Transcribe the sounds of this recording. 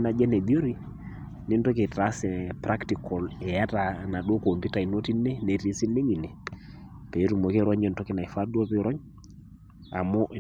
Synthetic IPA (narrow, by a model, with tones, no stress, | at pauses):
na˨d͡ʒɛ˦nɛ˨ði˦o˦ɾi˦ | nɪ˦n˦tɔ˦ke˨ta˨˦sɛ˨pɾa˦kti˨kɔ˨lɛ˨ja˦ta˨na˨ɗo˦ko˨mpi˦ta˨i˨no˦ti˦nɛ˦nɛ˨ɾe˦si˦ne˦ŋi˨nɛ˨ | pɛ˨˦ɾu˨mo˨ke˦ɾɔ˦ɲɛ˨n˨tɔ˦kɪ˦na˨i˨fa˦du˦ɔ˦pi˦ɾɔ˦ɲ | a̰˨mɔ˦ʔ